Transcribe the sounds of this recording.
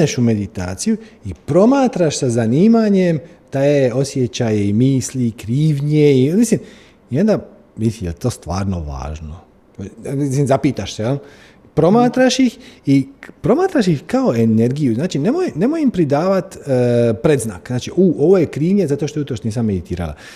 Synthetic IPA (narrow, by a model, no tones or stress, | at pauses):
eʃume̞d̪it̪a̰ːt̪sijuipɾo̞maːt̪ɾaʃsazaniːmaɲemt̪ajeo̞sjet͡ɕajeimiːslikɾiːʋɲeimislim | io̞nd̪a | mid̪it̪ijelt̪o̞ːst̪ʋa̰ːɾno̰ʋa̰ːʒno | misislimzapiːt̪aʃsejel | pɾo̞maːt̪ɾaʃixipɾo̞maːt̪ɾaʃ̬ixkao̞e̞ne̞ɾɡijuznaːt͡ʃine̞mojene̞mojimpɾid̪aːʋat̪ːpɾe̞d̪zna̰ːkznaːt͡ʃiʔuːʔo̞ʋojekɾiːʋɲezat̪o̞ʃt̪out̪ɾoʃt̪niːsamːed̪it̪iːɾa̰la̰